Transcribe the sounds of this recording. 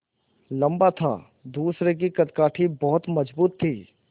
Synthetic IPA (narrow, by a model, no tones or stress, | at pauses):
lɐ̃mbat̪ʰa̰ː | d̪uːsɾek̬ikɐt̪kaːʈʰibɔɦʊt̪mɐd͡ʒbuːt̪ʰːiː